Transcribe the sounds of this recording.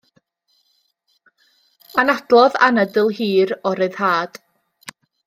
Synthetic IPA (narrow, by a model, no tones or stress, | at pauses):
anad̥lˠɔða̰nədɪlˠhiːɾɔɾɨɨð̥haːd̥